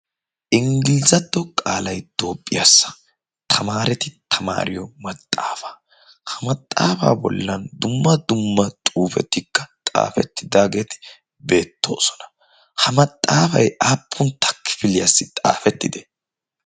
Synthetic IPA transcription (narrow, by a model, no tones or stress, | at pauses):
ʔɪŋɡɪlɪzɐd̪ːɔkʼaːlɐjd̪̥o̞ːpʼːɪjasːɐ̥ | t̪ʰɐmaːɾɛt̪ɪt̪ʰɐma̰ːɾɪjɔmɐt̪ʼːaːfaː | hɐmɐt̪ʼːa̰ːfa̰ːbɔ̰lːɐnd̪ʊmːɐd̪ʊmːɐt̪ʼuːfɛ̰t̪ːɪkːɐt̪ʼa̰ːfɛt̪ːɪd̪aːɡe̞ːt̪ɪ̥ | be̞ːt̪ːo̞̰ːsɔnɐ̥ | hɐmɐt̪ʼːaːfɐjaːpʰːʊnt̪ʰːɐ̥kʰːɪ̥fɪlɪjasːɪt̪ʼa̰ːfɛt̪ːɪd̪ɛ